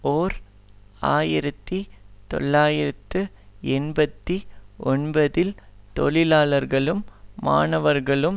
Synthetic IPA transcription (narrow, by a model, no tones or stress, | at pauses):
oːɾ | a̰ːjɪɾɐt̪ːit̪ɔ̰ɭːaːjɪɾɐt̪ːɯ | ɛnbɐt̪ːiɔɳbɐðɪl | t̪ɔ̰ɭɪlaːɭɐɾɣɐɭɯmːa̰ːnɐʋɐɾɣɐɭɯm